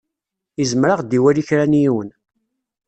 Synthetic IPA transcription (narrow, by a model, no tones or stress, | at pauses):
izəmɾaʁd̪iwæliçɾænjiwən